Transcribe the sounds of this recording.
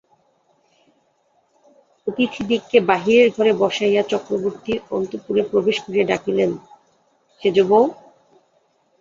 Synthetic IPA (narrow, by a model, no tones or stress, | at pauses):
ot̪it̪ʰid̪ikːebaɦiɾeɾɡʱɔɾebɔʃaijat͡ɕɔkɾoboɾt̪iɔ̰nt̪opuɾepɾobeʃkud͡ʑeɖakʰilen | ʃed͡ʑobo